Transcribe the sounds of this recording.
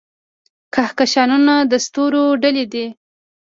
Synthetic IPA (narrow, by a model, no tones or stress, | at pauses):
kahkaʃɑnunad̪əst̪oɾoɖalid̪i